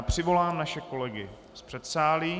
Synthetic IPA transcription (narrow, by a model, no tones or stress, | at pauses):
pr̝̥ɪvo̞laːmnaʃɛko̞lɛɡɪ | spr̝̥ɛt̪saːliː